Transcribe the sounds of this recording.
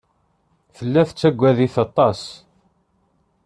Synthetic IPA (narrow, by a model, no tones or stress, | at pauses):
fəlːæθət͡sːæɡʷːæðiθɑt̪ˤːɑs